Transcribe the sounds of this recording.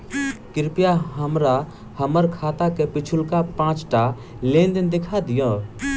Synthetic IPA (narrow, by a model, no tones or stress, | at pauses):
kɪɾpjaɦəmɾa | həməɾkʰaːt̪akepɪt͡ʃʰʊlkapãːt͡ʃʈa | leːnd̪ɪnd̪eːkʰad̪ɪjõː